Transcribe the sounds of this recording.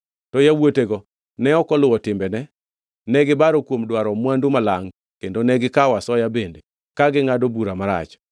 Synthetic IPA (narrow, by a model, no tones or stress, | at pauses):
tɔjawoteɡɔ | nɛɔkɔlʊwɔtɪmbɛnɛ | nɛɡɪbaɾɔkwomdwaɾɔmwandumalaŋ | kendonɛɡɪkawasɔjabende | kaɡɪŋadobuɾamaɾa̰t͡ʃ